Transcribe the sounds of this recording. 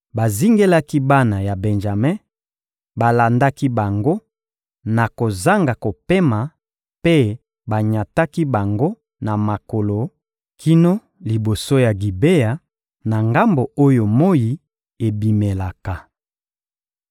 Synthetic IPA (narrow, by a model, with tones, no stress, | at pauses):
ba˨zi˦ŋɡe˦la˦ki˦ba˦na˨ja˨bɛ˨nʒa˨mɛ˦ | ba˨la˨nda˦ki˦ba˨ŋɡo˦ | na˨ko˨za˦ŋɡa˨ko˨pe˦ma˨ | pe˦ | ba˨ɲa˨ta˦ki˦ba˨ŋɡo˦ | na˨ma˨ko˨lo˨ | kʰi˦no˦ | li˨bo˨so˦ja˨ɡi˨be˦ja˨ | na˨ŋɡa˦mbo˨o˦jo˨mo˦ji˨ | e˨bi˨me˨la˨ka˨